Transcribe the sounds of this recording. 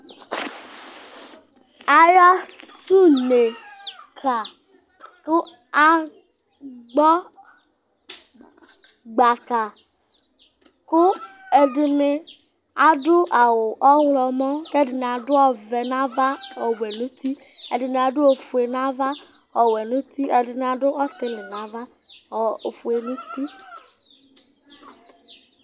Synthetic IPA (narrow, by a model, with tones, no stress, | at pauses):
a˨ja˦su˦ne˨kʰa˨ | kʊ˦ | a˦ | ɡ͡bɔ˦ | ɡ͡ba˨ka˨ | kʊ˦ | e˨dɪ˨nɪ˨ | a˨dʊ˦ʔa˨wʊ˨ʔɔ˦wlɔ˨mɔ̃˦kɛ˦dɪ˨nɪ˨a˨dʊ˦ɔ˦vɛ˨nã˦va˦ɔ˨wɛ˨nũ˦t̪i˦ | e˨dɪ˨nɪ˨a˨dʊ˦o˨fu˨e˨nã˦va˦ | ɔ˨wɛ˨nũ˦t̪i˦ɛ˨dɪ˨nɪ˨a˨dʊ˦ʔɔ˦t̪ɪ˦lɪ˨nã˦va˦˨ | o˨fu˨e˨nũ˦t̪i˦